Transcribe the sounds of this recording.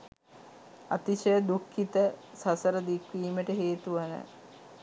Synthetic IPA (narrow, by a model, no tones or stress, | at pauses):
at̪iʃəd̪ukːit̪ə | sasəɾəd̪ikʋiːməʈəɦeːt̪uʋanə̰